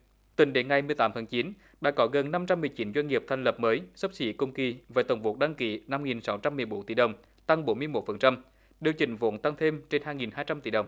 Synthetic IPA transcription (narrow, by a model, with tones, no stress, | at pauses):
t̪ï˨˩ŋ̟ɗe˨˦nŋa˨˩jmɨ˨˩əjt̪aː˨˦mt̪ʰaː˨˦t͡ɕi˨˦n | ɗa̰˧˥kɔ˨˦ɣə˨˩nna˧mt͡ɕa˧mːɨ˨˩əjt͡ɕi˨˦nzwa˧ŋ̟ŋi˨˩əp̚t̪ʰa˨˩jŋ̟lə˨˩p̚məː˨˦jsə˦˥p̚sḭ˧˥kə˧ŋ͡mki˧vaː˨˩t̪ə˨˩wŋ͡mvo˨˩t̚ɗa˧ŋki˨˦na˧mŋi˨˩nsa˨˦wt͡ɕa˧mːɨ˨˩əjɓo˨˦nt̪i˧˩ɗə˨˩wŋ͡m | t̪a˧ŋɓo˨˦nmɨ˧əjmo˨˩t̚fə˨˩nt͡ɕa˧m | ɗi˨˩əwt͡ɕï˧˩ŋ̟vo̰˧˥˦nt̪a˧ŋt̪ʰe˧mt͡ɕe˧nhaː˧jŋi˨˩nhaː˧jt͡ɕa˧mt̪i˧˩ɗə˨˩wŋ͡m